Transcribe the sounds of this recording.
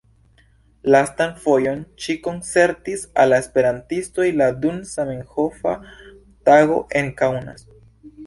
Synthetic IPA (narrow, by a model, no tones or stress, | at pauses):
lastanfo̞jo̞nʃiko̞nt͡se̞ɾtisa̰lːaespe̞ɾantisto̞jladunsameŋxo̞fa̰ | taɡo̞̰ʔe̞ŋkawna̰s